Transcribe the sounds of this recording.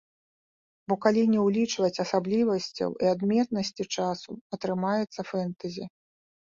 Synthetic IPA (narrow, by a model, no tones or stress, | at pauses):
bɔkalʲinʲɛwlʲit͡ʂvɐt͡sʲɐsablʲivɐsʲt͡sʲɐ̰wiad̪mʲɛt̪nɐsʲt͡sʲit͡ʂasuɐt̪ɾɨmajɛt̪sːɐfɛnt̪ɐzʲi